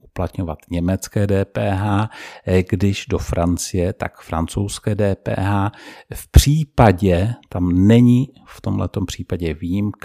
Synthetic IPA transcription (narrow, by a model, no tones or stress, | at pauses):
ʔuplat̪ɲovat̪ɲɛmɛt͡skɛːdɛːpɛːɦaːɡdɪʒdofɾʔant͡sɪjɛt̪a̰kfɾa̰nt͡sowskɛːdɛːpɛ̰ːɦaːfpr̝̥iːpaɟɛt̪amnɛɲɪ | ft̪o̞mɦlɛ̰t̪o̞mpr̝̥iːpaɟɛviːjimk